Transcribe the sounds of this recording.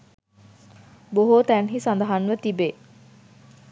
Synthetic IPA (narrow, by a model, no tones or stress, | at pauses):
boɦot̪ænɦisand̪əɦanʋət̪ibe